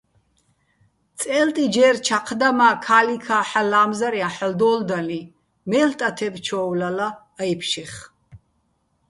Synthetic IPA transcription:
t̪t͡sʼɛlt̪ʼid͡ʒɛːɾt͡ʃʰaqʰd̪amaːkʰaːlikʰaːħalaːmzaɾiaħəld̪ɔːld̪ali | mɛːlt̪ʼat̪ʰɛbt͡ʃʰɔːwlalaː | jpʰʃiχ

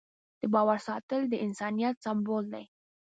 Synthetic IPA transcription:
d̪̥əbɑwaɾsɑt̪əld̪əʔɪnsɑnijat̪sambold̪a̰j

